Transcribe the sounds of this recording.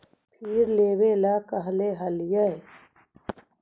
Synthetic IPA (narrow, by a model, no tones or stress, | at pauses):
pʰiːɾleːweːlaːkɐɦleɦɐljə